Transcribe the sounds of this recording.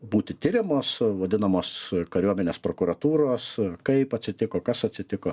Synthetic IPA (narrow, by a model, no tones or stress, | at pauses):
buːt̪ʲɪt̪ʲɪɾʲɪmoːsʋɐd̪ʲɪnɐmoːskɐɾʲuɔmʲɛnʲeːspɾoːkʊɾɐt̪uːɾoːskɐɪpɐt̪ʲsʲɪt̪ʲɪkoːkɐsɐt̪ʲsʲɪt̪ʲɪkoː